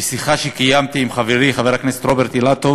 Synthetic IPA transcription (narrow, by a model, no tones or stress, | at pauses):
siχaʃekijamt̪iːmχaveʁiχaveʁakneset̪ɾobeɾt̪ilat̪o